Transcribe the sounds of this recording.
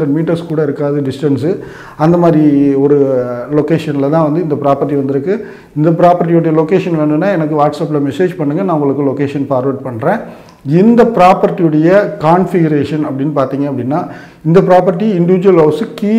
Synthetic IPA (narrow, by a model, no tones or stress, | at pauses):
d̪ɐmiːʈːɐɾskuːɽɐɪɾɯkːaːðɯɖɪsʈɐnsɯ | ɐnd̪ɐmaːd̪ɾiɔɾɯloːkeːʂɐnɪlɐt̪ãːʋɐnd̪ɯɪnd̪ɐpɪɾaːpɐɾʈ̬ːiʋɐnd̪ɯɾɯkːɯ | ɪnd̪ɐp̬ɪɾaːpɐɾʈ̬ːɪjɯɽɐjɐloːkeːʂɐnʋeːɳɯnːaːɛnɐkːɯʋaːʈsɐːp̬ːɪlɐmɛseːd͡ʒpɐɳːɯŋɡɐnãːʊŋɡɐɭɯkːɯloːkeːʂɐnpaːɾʋɐʈ̚pɐɳːɾẽː | ɪnd̪ɐpɪɾaːpɐɾʈːijɯɽɐjɐkaːnfɪɡɐɾeːʂɐnɐpːɐɽɪnːɯpaːɾt̪iːŋɡɐpːɐɽɪnːaː | ɪnd̪ɐpɪɾaːpɐɾʈ̬ːiɪɳɖɪʋɪd͡ʒʊʋɐlɦɐʊsɯkiː